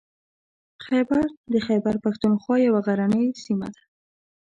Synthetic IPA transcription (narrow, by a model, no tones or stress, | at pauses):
xabaɾd̪əxabaɾpaxt̪unxwɑjawaɣaɾanəjsima̰d̪ḁ